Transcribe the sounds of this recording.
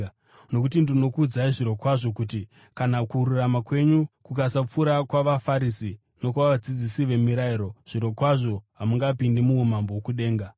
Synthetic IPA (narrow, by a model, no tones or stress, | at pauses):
no̞kutindino̞kuːd͡zaiʐiɾokwaʐo̞kuti | kanakuɾuramakwe̞ɲukukasap͡fuɾakwaʋafaɾisi | no̞kwʋaʋad͡zid͡zisiʋe̞miɾaiɾo̞ʐ̥iɾo̞kwaʐo̞ɦamuŋɡaːpindemuumambowokuɗe̞ːŋɡa